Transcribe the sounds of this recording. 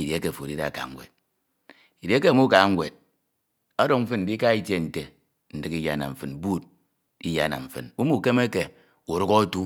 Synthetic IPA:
i˨de˦ke˨fo˨di˦da̰˨ka̰˨ŋ̩˦wʷḛ˨d̚ | i˨de˨˦ke˦˨mu˦ka˨˦ŋ˦ɡʷe˨d̚ | a˦do˦˨ŋm̩˦fɨ˦n̩˨di˦ka˦i˦tje˦˨n̩˨te˨ | n̩˨dɨ˨ki˦ja̰˨na̰˨ɱ̩˨fɨ˨n˨bu˦˨t̚ | i˦ja̰˨na̰˨ɱ̩˨fɨ̰˨nu˦mu˦˨ke˦me˦ke˨ | u˨ɾo˦kɔ˦tu˦

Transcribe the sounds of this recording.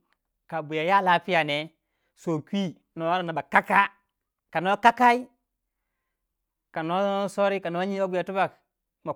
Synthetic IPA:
ka˨bu˨ja˨ja˦˨la˦pi˦ja˨ne˨ | so˨kʷi˦ | no˨wa˦ɾa˨na˨ba˨ka˦ka˦ | ka˨no˦ka˦ka˦i˦ | ka˨no˦so˦ɾi˦ka˨no˨˦a˦ɲi˦o˦ɡu˨ja˨tu˦ba˨k | ma˨

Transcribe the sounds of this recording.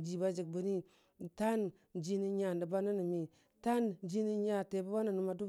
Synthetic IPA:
d͡ʒi˨ba˦d͡ʒi˨k̚bu˨˦ni˦ | ta˦n | d͡ʒi˦ni˦ɲa˨ndə˨ba˦nə˦ni˨mi˨ | ta˦nd͡ʒi˦ni˦ɲa˦˨te˨bu˦ba˦nə˨nu˨ma˨du˦

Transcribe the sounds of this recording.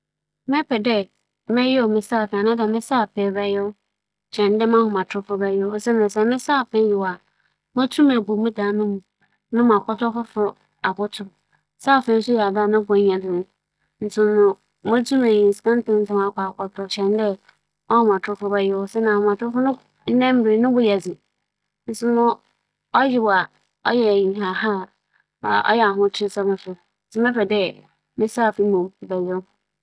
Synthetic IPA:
mɛ̃˦pɛ˨dɛ˦ | mɪ̃˦jɪ˦ɔ˨mɪ̃˨sa˦˨fɛ˨a˨nã˦da˨mɪ̃˦sa˦˨pʰɛ˨ba˦jɛ˦ | t͡ɕʰɛ̃˨n˦dɛ˦mã˦hʊ̃˨mã˨tʰʊ˦fʊ˦ba˦jɛ˦sɛ˦nã˨sɛ˨mɪ̃˦saː˦˨pʰɛ̃˦n˦jɪ˨wa˨ | mã˦tʰu˦mã˨bu˨mũ˦daː˨˦nʊ̃˦mũ˨ | nʊ̃˦m˨a˨kʷɔ˦tɔ˦fʊ˦fʊ˦ | a˨bʊ˦tʰʊ˨ | saː˦˨fɛ̃˨˦n̩˦sʊ˦jɛ˨a˨da˦nʊ̃˦bʊ̃˨˦ɲɛ̃˨nʊ̃˦˨˦ | n̩˨sʊ̃˨˦nʊ̃˨ | mʊ̃˦d͡zu˦mã˨ɲĩ˨n̩˨skã˦n˦tɪ̃˦n̩˦˨sã˦ma˨kʷa˨kʰʷɔ˨tʰɾɔ˨t͡ɕʰɛ̃˦n˦dɛ˦ | ɔ˦˨m˨ã˨tʰʊ˦fʊ˦bɛ˦jɪ˦wɔ˦sɛ˦nã˨mã˨tʊ˦fʊ˦nʊ̃˦ | n̩˦nɛ̃˦m̩˦be˨˦nʊ̃˦bʊ˦ja˨d͡zɪ˨ | n̩˦sʊ˦mʊ̃˦ | ɔ˦jɪ˦ba˨ | ɔ˦jɛ˨ɲĩ˨ɦa˨ɦa˦˨ | a̰˨ʔɔ̰˦jɛ˨a˨ɦʊ̃˦tʰɪ˦sa˦mʊ̃˨sʊ˦ | sʊ˦mɛ̃˦pɛ˨dɛ˦ | mɪ̃˦sa˦˨fĩ˦mõ˨m˨bɛ˨zʊ˦

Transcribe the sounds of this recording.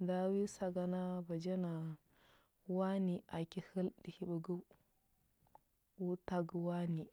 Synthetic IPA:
da˦wi˦sa˨ɡa˨na˦ba˨d͡ʒa˦na˨ | wa˦ni˨ʔa˨ki˦hə˦ldi˨hi˦bu˨ɡu˦ | wu˦ta˦ɡwa˦ni˨

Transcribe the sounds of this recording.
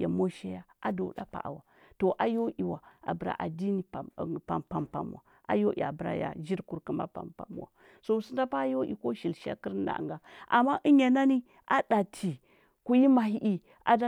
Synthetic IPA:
a˨mo˦ʃe˦ja˦ | a˨do̰˨da˦pa̰˨ʔa̰˨wa˨ | to˨ʔa˨jo˦ʔi˨wa˨a̰˨bə˨ɾa̰˨ʔa˨di˦ni˨pa˨mpa˨mpa˨mṵ˨wa̰˨ | a̰˦jo˦ʔḭ˨a˨bə˨ɾa̰˦ja̰˨d͡ʒi˦ɾku˨ɾku˦ma̰˦pa˨mpa̰˨mu˦˨wa̰˨ | so˦˨si˦da˦pa˦jo˦ʔḭ˨ko˦ʃi˨lʃa̰˦ki˦ɾna̰˨ŋɡa˨ʔa̰˨mːa˦ʔi˦ɲa˨na˦ni˦ | ʔa˦da˨tʰi˨ | ku˨ji˦ma˨ɦi˦ʔi˦ | a̰˨da˦

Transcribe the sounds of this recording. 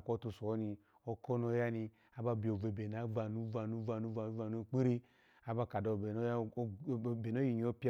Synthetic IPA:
ko˦tu˧˨so˨˦ni˧ | o˦ko˦no˦ja˦ni˧ | a˦ba˧bi˨o˨ve˨be˨na˨˦va˨nu˦va˨nu˦va˨nu˦va˧˨˦va˧˨nu˦˨k͡pi˦ɾi˦ | a˦ba˦ka˨do˨be˨no˦˨be˨n˦o˦ji˨ɲi˨˦o˦pi˦

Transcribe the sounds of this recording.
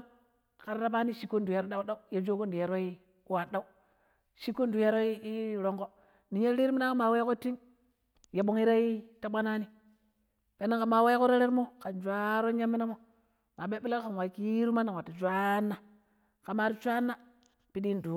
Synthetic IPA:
ka˨ɾɾa˦pa˦ni˦ʃi˦kːo˦n˨du˨ja˨ɾo˦ɗa˦u˦ɗa˦u˦ja˨d͡ʒo˦ko˦ndu˨ja˨ɾo˦i˦ | wa˨ɗa˦u˦ | ʃi˦kːo˦ndu˨ja˦ɾo˦i˦i˦˨ɾo˨ŋɡo˦ | ni˨ɲe˦ɾi˦ɾmi˦na˦ka˦ma˨we˦ko˦ti˦ŋ | ja˨ɓo˦ŋi˦ɾa˦i˦ta˦ɓa˦na˦ni˦ | pe˨˦na˦ŋka˨ma˨we˦ko˦ɾa˦ɾe˦ɾmo˦ka˨nd͡ʒʷa˦ɾo˦ɲa˦mːi˦na˦mo˦ | ma˨ɓe˦bla˦kka˨nwa˨ki˦ɾu˦ma˦nːa˨wa˨tːa˨d͡ʒʷa˦nːa˦ | ka˨ma˦ɾi˦t͡ʃʷa˦nːa˦ | pi˦di˦n˨du˨

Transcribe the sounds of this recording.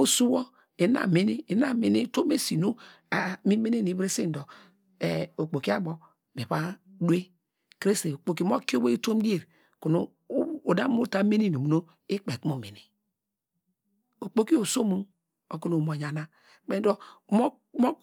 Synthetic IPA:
o˦su˦wo˦ | e˨˦na̰˨me˦ni˦˨˦na˦me˨ni˦to˦me˦si˨no˦ | a˨mi˦me˦ne˦ni˨˦bɾe˦si˦n˨dɔ˨ | e˨o˨k͡po˨ki˦a˦bɔ˨ | me˨βa˦du˦e˦ | kɾe˦se˨o˨k͡po˨ki˦m˦o˦ko˦we˦to˦m˦ɡi˦e˦˨ɾ | ko˨no˨˦ | o˨da˦mo˦ta˦me˦ni˦no˨mu˨no˦ | e˦k͡pe˨ku˦mo˨me˨ni˨ | o˨k͡po˦ki˦o˨so˦mu˦ | o˨ku˦no˨mo˨ɲa˨na˦ | k͡pe˦n˦dɔ˦mo˦ | mo˦

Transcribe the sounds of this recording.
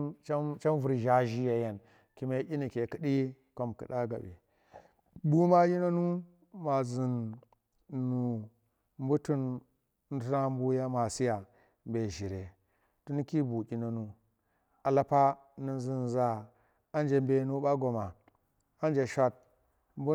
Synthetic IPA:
t͡ʃa˦mt͡ʃa˦mvu˨ɾʒa˦ʒi˦ja˨ja˨n | ki˦ma˦ʔʲi˦ni˨ke˨ki˦ɗi˦ | ko˨mkɨ̰˨ɗa˦ɡa̰˨bḭ˨ | bu˦ma˦ji˦no˦nu˦ | ma˨zi˨nː | u˨ | m˦bu˦tu˦n˦ | n̩˦tu˦na˦m˦bu˦ja˦ma˨si˦ja˨ | mbe˨ʒi˨ɾe˨ | tu˦ni˦ki˦bu˨kʲi˨no˦nu˦ | a˨la˦pa˦ | nu˨zi˨nza˨ | a˦nd͡ʒe˨mbe˨nu˦ɓa˦ɡo˨ma˨ | a˦nd͡ʒe˨ʃa˦t̚ | mbu˦

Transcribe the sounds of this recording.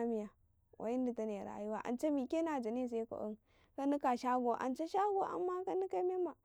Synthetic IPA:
mi˦ja˨ | wʔa̰˨i˦ndi˨ta˦ne˨ɾa̰˨ju˦wa˦ʔa̰˨nt͡ʃe˦mi˨ke˦na˨d͡ʒa˨ni˦˨s̬e˦ko̰˨ʔṵ˦n | ka˦ni˦ka˨ʃa˦ɡo˨ʔa̰˨nt͡ʃe˦ʃa˦ɡo˨ʔa̰˨mːa˦ka˦ni˦ka˦me˦ma˨

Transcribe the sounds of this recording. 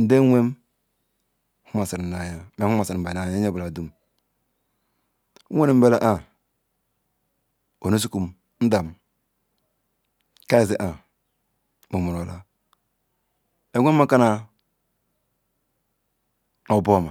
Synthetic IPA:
n̩˨de˦e˦m | hu˦ma˨si˨ɾna˨ja˦me˨˦u˦a˨si˨ɾ̩˨ba˨na˨ja˦e˦bu˨la˨du˦m˦ | wʷe˦ni˨m̩˦be˦la˦ʔa˦ | o˨no˦s̬u˦ku˨m | n̩˦da˨m | ka˦e˨zi˦ʔa˨ | mu˨mu˨ɾo˨la˦ | e˨˦ŋʷe˦mː˦a˦ka˦na˨ | no˨bo˦˨ma˨

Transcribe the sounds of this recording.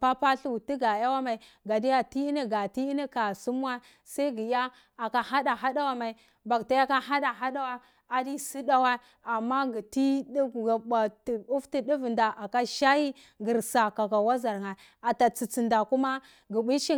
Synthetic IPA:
pa˦pa˦ɬu˨ti˦ɡa˨ja˦wa˦ma˨i˨ | ɡa˨di˦ja˦ti˦i˦ni˦ɡa˨ti˦i˦ni˦ka˨su˦m˦wa˦ | sa˦i˦ɡi˨ja˦ | a˨ka˨ha˦ɗa˨ɦa˦da˦wa˦ma˨i˨ | ba˨kta˦ja˦ka˦ɦa˦da˨ɦa˦da˦wa˦ | a˨di˦si˦da˦wa˦ | a˨mːa˦ɡi˨ti˦dɡa˨ɓa˨ti˨u˦fti˨di˦vi˨nda˨ʔa˨ka˦ʃa˦ji˦ | ɡi˨ɾsa˨ka˨ɡa˨wa˦za˨ɾŋa˨ | a˨ta˨t͡si˨t͡si˨nda˨ku˦ma˦ | ɡi˨bi˦t͡ʃi˦

